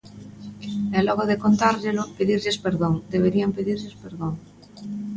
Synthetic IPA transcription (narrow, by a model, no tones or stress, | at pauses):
ɛlɔɣoðekont̪aɾʎelʊpeðiɾʎespeɾðoŋd̪eβ̞eɾiampeðiɾʎespeɾðoŋ